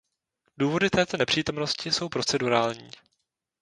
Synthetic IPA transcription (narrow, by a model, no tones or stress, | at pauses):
duːvo̞dɪt̪ɛːt̪o̞nɛpr̝̥iːt̪o̞mno̞scɪso̞wpɾo̞t͡sɛduɾaːlɲiː